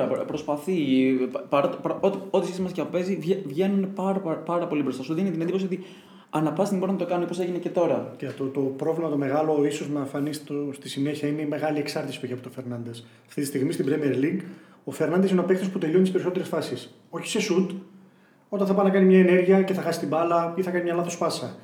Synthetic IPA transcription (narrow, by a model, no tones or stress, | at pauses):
ɐpɾospɐθipɐɾɐt̪pɾot̪o̞t̪isisimɐsceɐpope̞zivevʝe̞nunepɐɾɐpɐɾɐpo̞libɾost̪asuðeinet̪inend̪ipoio̞t̪i | ɐnɐpɐst̪imboɾunɐt̪o̞kɐnunipo̞se̞ʝinece̞t̪o̞ɾɐct̪ot̪opɾo̞vlimɐt̪o̞me̞ɣɐlo̞iso̞znɐɱfɐnist̪ost̪isine̞çiɐineime̞ɣɐlieksɐɾt̪isi̥pueçeɐpot̪fe̞ɾnɐnd̪e̞s | ɐft̪it̪ist̪iɣmist̪ibɾemieɾliŋɡ | o̞feɾnɐnd̪esineɐpekt̪o̞sput̪eʎot̪ispeɾiso̞t̪e̞ɾesfɐsis | o̞çi̥se̞sud̪ | o̞t̪ɐnθɐpɐnɐkɐnimɲɐene̞ɾʝiɐce̞θɐxɐsist̪imbɐlɐiθɐkɐnimɲɐlɐθo̞spɐsɐ